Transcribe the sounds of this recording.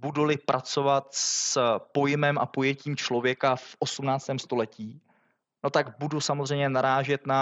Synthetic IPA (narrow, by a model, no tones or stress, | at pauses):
budulɪpɾʔat͡so̞vat̪spo̞jɪmɛmʔa̰po̞jɛciːmt͡ʃlo̞vjɛkafʔo̞sumnaːt͡st̪ɛːmst̪o̞lɛciː | no̞t̪aɡbudusamozr̝ɛjmɲɛnaɾaːʒɛt̪na